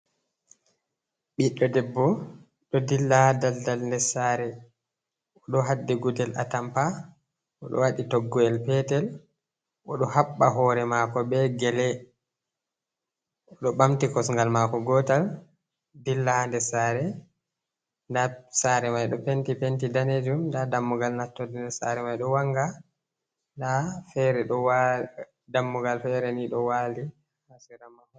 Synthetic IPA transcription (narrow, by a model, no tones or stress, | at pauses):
ɓiɗːɔdɛbːɔ | ɗɔdilːadaldalndɛsaɾɛ | ɔɗɔɦadːɛɡudɛla̰tampa | ʔɔ̰ɗɔ̰waɗitɔɡːɔɛlpɛtɛl | ʔɔɗɔhaɓːaɦɔɾɛmakɔbɛɡɛlɛ | ʔɔɗɔɓamtikɔsŋɡalmakɔɡɔtal | dilːahandɛsaːɾɛ | ndasaɾɛmajɗɔpentipentidaned͡ʒumndadamːuɡalnatːɔdɛnɛsa̰ɾɛmajɗɔwaŋɡa | ndafɛɾɛɗɔwa | damːuɡalfɛɾɛniɗɔwali | hasiɾamah